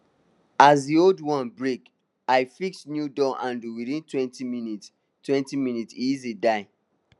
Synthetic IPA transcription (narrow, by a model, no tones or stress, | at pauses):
azdioldwɔ̃nbɹek | aɪfiksnjudɔʔãnduwiθĩntwɛ̃ntiminit | twɛ̃ntimĩnitsizidaɪ